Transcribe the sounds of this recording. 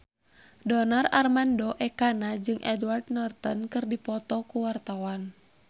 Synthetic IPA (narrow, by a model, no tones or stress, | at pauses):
dɔnararmandɔʔɛkanad͡ʒɨŋʔɛdward̪̚nɔrt̪ɔnkɨrdipɔt̪ɔkuwart̪awan